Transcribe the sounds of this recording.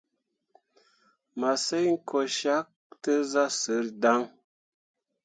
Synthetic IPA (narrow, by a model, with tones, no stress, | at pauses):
ma˨sə˦jŋ̩˦kʰo˨ʃa˦k̚tə˦za˦sə˨˦ɾda˦ŋ